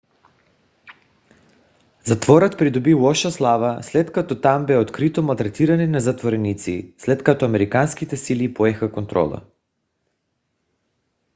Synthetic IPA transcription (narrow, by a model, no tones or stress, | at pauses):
zat̪vɔɾat̪pɾid̪ubivɔʃaslˠavaslɛt̪kat̪ɔt̪ambɛot̪kɾit̪ɔmalˠt̪ɾɛt̪iɾanɛnazat̪voɾɛnit̪sḭslɛt̪kat̪ɔamɛɾikanskit̪ɛsilipoɛxakont̪ɾɔ̰lˠa̰